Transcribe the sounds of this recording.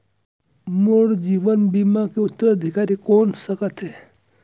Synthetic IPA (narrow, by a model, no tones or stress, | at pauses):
moɽd͡ʒiːʋənbiːmakeʊt̪ːəɾəd̪ʱɪkaːɾikɔːnsəkət̪ɦɛː